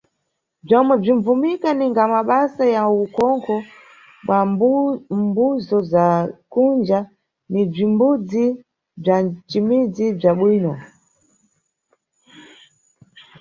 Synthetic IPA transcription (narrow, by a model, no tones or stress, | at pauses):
b͡ʐɔmwɛb͡ʐiɱvumikaniŋɡamaɓasajaukɔŋkʰɔ | mwʔa | mbuzɔzakund͡ʒa | nib͡ʐimbud͡zi | b͡ʐat͡ʃimid͡zib͡ʐaɓwiːnɔ